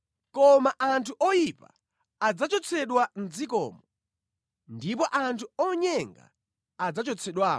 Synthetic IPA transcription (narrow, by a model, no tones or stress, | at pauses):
kɔmaʔantʰuʔɔjipa̰ | ad͡zat͡ʃɔt͡sʰɛɗwand͡zik̬ɔ̰ːmɔ | ndip̬ɔʔantʰuɔɲɛŋɡa̰ː | d͡zat͡ʃɔt͡sʰɛɗwaːɔ